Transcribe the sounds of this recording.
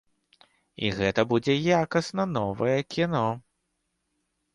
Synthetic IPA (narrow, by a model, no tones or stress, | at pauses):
ḭɣɛt̪ɐbud͡zʲɛjakɐsnɐnɔvɐjɛkʲinɔ